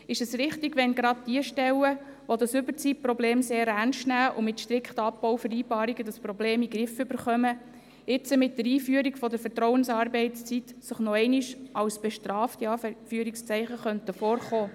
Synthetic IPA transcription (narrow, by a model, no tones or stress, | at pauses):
ɪʃəsɾɪχt̪ɪɡʋɛnɡɾɑd̚d̥iəʃtɛwə | ʋod̪ɑsʏbəɾt͡siprɔbleːmseːɾænʃtnæːʔʊmɪtʃtɾɪkχt̪əɑpːɔwfəɾiːbɑːɾiɡədəspɾɔbleːmiɡɾɪfʏbəɾχœmə | ɪt͡səmɪt̚dəɾiːfyəɾikfɔdəfəɾtɾɔwənsɑːɾbɛɪtt͡st͡sitsəχnɔɛɪniʃʔɑwsb̥ɛʃtɾɑːftiɑːfyəɾikst͡sɛɪχəχœntəfoːrχoː